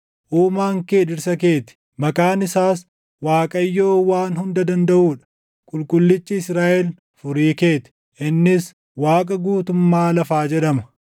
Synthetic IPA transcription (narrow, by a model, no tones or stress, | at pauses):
ʔuːmaːŋkeːd̪ɪɾsɐk̬e̞ːt̪ɪ̥ | mɐkʼaːnɪsaːs | waːkʼɐjːo̞ːwaːnɦʊnd̪ɐd̪ɐnd̪ɐʔuːᶑɐ̥ | kʼʊlkʼʊlːɪt͡ʃːɪːsɾaːʔɛl | fʊɾiːke̞ːt̪ɪ̥ | ʔɪnːɪs | waːkʼɐɡuːt̪ʊmːaːlɐfaːd͡ʒɛᶑɐmɐ